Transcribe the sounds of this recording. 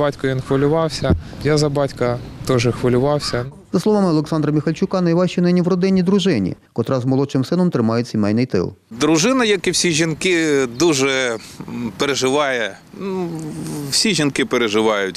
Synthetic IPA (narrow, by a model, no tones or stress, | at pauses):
bɑtʲkʊʋinxʋɐlʲʊʋɑwsʲɐ | jazɐbɑtʲkɐt̪ɔʒɛxʋɐlʲʊʋɑwsʲɐ | z̥ɐslˠɔʋɑmɪɔlˠeksɑnd̪ɾɐmʲixɐlʲt͡ʃʊkɑnɐjʋɑʃt͡ʃinɪnʲiʋɾɔd̪ɪnʲːid̪ɾʊʒɪnʲḭ | kɔt̪ɾʔɑzmɔlˠɔt͡ʃɪmsɪnɔmt̪ɾɪmɑjʊsʲimɛjnɪjt̪ɪ̰lˠd̪ɾʊʒɪnɐjɐkiwsʲiʒʲinkɪd̪uʒɛ | peɾeʒɪʋɑjɛ | n | wsʲiʒʲinkɪpeɾeʒɪʋɑjʊtʲ